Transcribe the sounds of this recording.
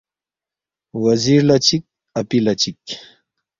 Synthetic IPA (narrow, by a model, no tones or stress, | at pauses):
wɐziɾlat͡ɕik̚ | ɐpilat͡ɕik